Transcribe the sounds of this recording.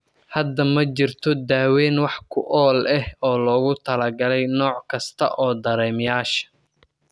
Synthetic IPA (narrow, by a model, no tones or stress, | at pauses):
hɐd̪ɐmɐt͡ʃɪrt̪ʰɔd̪aːwɛːnwɑħkʰʊʔɔːlɛhɔːlɔːɣʊt̪ʰɐlɐɡɐlɛjnɔːʕkʰɐst̪ʰɐ̰ʔɔːd̪ɐɾɛːmjaːʃɐ̥